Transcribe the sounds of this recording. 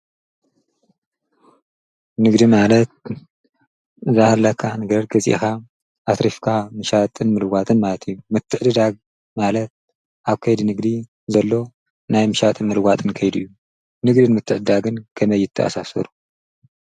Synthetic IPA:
nɨɡd̪imalɐt̪̚ | zahɐlːɐkʰːanɨɡɐɾɡɐzʼḭʔxa | ʔat̪ɾifkʰamɨʃat̪ʼɨnmɨlɨɡat̪ʼɨnmalɐt̪ʰɨjːumɨt̪ʰːɨʕd̪ɨd̪aɡ̚ | malɐt̪̚ | ʔaβkʰɐjd̪inɨɡd̪i | zɐlːo̞ | najmɨʃat̪ʼɨnmɨlɨɡʷat̪ʼɨnkʰɐjd̪uɨjːu | nɨɡd̪ɨnmɨt̪ʰːɨʕd̪ɨd̪aɡɨnkʰɐmɐjːɪt̪ʰːɐʔa̰sasɐ̰ɾu

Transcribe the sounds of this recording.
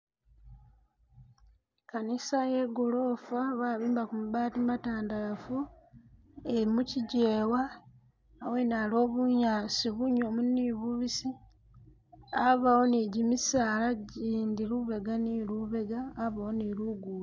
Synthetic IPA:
kanisaje̞ɡolo̞ːfaβaːβiːmbakumuβaːtimataːndafu | eimuciɟeːwaː | wenalo̞ːβuɲaːsiβuɲo̞munːiβuβisi | aβawo̞niɟimisaːlaɟiːndiɾuβe̞ɡaniluβe̞ɡaːβawoniluɡuːla

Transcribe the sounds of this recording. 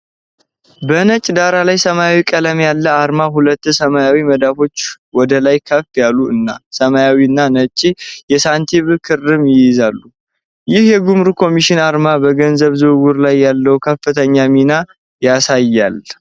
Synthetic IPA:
bənət͡ʃʼd̪aɾalajsəmajawikʼələmjalːəaɾmaɦulət̪ːsəmajawiməd̪afo̞t͡ʃː | wɔd̪əlajkʰəfjalːuɨnːasəmajawiɨnːanət͡ʃʼːijɛsant̪ʰiβkʰɨrːɨmjɪjɪzalːu | jɪhjɛɡumɾukʰo̞miʃɪnaɾmabəɡənzəβzɨwɡuɾlajːalːəukʰəfːɨt̪ʰəɲːamina | jasajːal

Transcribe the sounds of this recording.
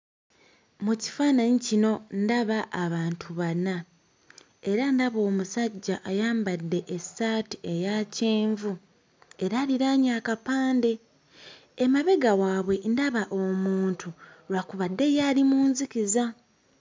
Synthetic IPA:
muci̥faːnaɲicino̞ndaβaʔːβaːntʰuβana | e̞ɾandaβo̞ːmusaɟːaʔːjaːmbadːe̞ʔesːaːtie̞jaːceːɱvu | e̞ɾaːliɾaɲaːkapaːnde̞ː | maβe̞ɡawaːβwe̞ndaβaʔomuːntʰuɾwakuβadːe̞jaːlimuːnzikiza

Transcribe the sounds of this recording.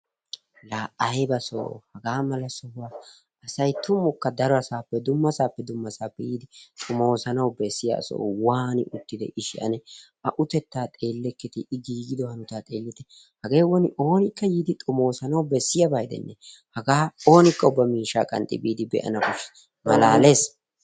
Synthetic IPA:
laːʔɐjbɐso̰ːhɐɡaːmɐlɐsɔhʊwa | ɐsɐjt̪ʊmːʊkːɐd̪ɐɾɔɐsaːpːɛd̪ʊmːɐsaːpːɛd̪ʊmːɐsaːpːɛjiːd̪ɪt̪ʼʊmo̞ːsɐnɐwbɛsːɪja̰ːso̰ːwaːnɪ̰ʔʊt̪ːɪd̪ɛʔɪʃɪʔɐ̰nɛʔɐʔʊt̪ɛt̪ːaːt̪ʼe̞ːlːɛkːɪt̪ɪʔɪɡiːɡɪd̪ɔhɐnʊt̪aːt̪ʼe̞ːlːɪt̪ɛ | hɐɡe̞ːwɔnɪʔo̞ːnɪkːɐjiːd̪ɪt̪ʼʊmo̞ːsɐnɐwbɛsːɪjabajd̪ɛ̰nːɛ | hɐɡaːo̞ːnɪkːɐʊbːɐmiːʃːaːkʼɐ̰nt̪ʼɪ̰biːd̪ɪbɛ̰ʔɐ̰nɐkʊʃ | mɐlaːle̞ːs

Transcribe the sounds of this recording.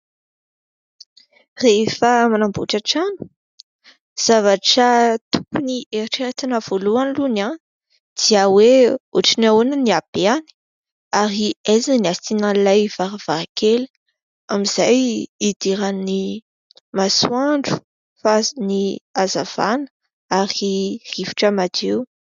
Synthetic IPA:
refamanambuʈ͡ʂaʈ͡ʂanu̥ | z̥avaʈ͡ʂət̪ukunieɾiʈ͡ʂeɾet̪inəv̥oluanluna | d̪̥iaweoʈ͡ʂinaonəniab̥eani̥ | aɾiazaniasinalajv̥aɾav̥akʰel | amiz̥ajːd̪iɾani | masuaɳɖ͡ʐu̥ | fazniazav̥a̰nə̥ | aɾir̥ivu̥ʈ͡ʂəmad͡ʒew

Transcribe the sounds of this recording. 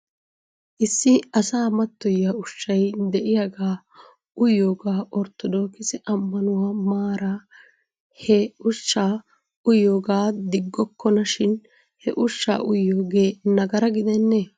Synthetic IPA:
ʔɪsːɪɐsaːmɐt̪ːɔjːaʊʃːɐjd̪ɛʔɪjaɡaː | ʊjːoːɡaːʔɔɾt̪ɔd̪o̞ːkɪsɪʔɐmːɐnʊwɐmaːɾaː | hɛʊʃːaː | ʊjoːɡaːd̪ɪɡːɔkʰːɔnɐʃɪn | hɛ̰ʔʊʃːa̰ːʔʊjːoːɡe̞ːnɐɡɐɾɐɡɪd̪ɛnːeː

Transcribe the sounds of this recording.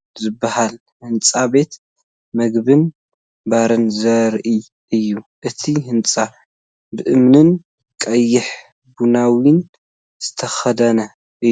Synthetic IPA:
zɨbːahal | hɨnt͡sʼabe̞t̪ | mɐɡbɨn | baɾɨnzɐɾʔi | ʔɨjːu | ʔɨt̪ʰihɨnt͡sʼa | bɨʔɨmnɨn | kʼɐjːɪħ | bunawin | z̥ɨt̪ʰɐxɐd̪ɐnɐ | ʔɨ

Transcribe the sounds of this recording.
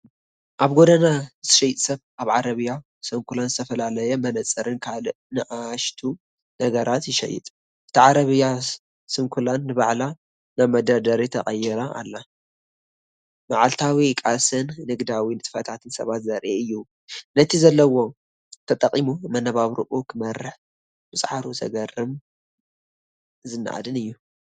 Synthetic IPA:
ʔaβɡod̪ɐnazɨ̥ʃɐjt̪ʼsɐβʔaβʕaɾɐβɨja | sɨŋkʰulanzɨt̪ʰɐfɐlalɐjɛmɐnɐt͡sʼːɐɾɨnkʰal | nɨʔaʃt̪ʰu | nɐɡɐɾat̪jɪʃɐ̰jːɪ̰t̪ʼ | ʔɨ̥t̪ʰiʕaɾɐβɨja | sɨŋkʰulanːɨβaʕla | naβmɐd̪ɐd̪ɐɾit̪ʰɐχʼɐjːɛɾaa̰lːa | maʕalt̪ʰawikʼasɨnːɨɡd̪awinɨt̪ʼɨ̥fɐt̪ʰat̪ʰɨnsɐ̰βat̪zɐɾʔeɨjːu | nɐt̪ʰizɐlːɐwo̞ | t̪ʰɐt̪ʼɐqʼːimumɐnɐβaβɾṵʔukʰɨmɐrːɨħ | bɨsʼħaɾuzɐ̰ɡɐrːɨm | zɨnːa̰ʔa̰d̪ɨnɨjːu

